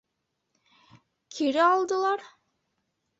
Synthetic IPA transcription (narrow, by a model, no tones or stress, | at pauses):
kʲʰiɾiɑlˠd̪ɯlˠɑɾ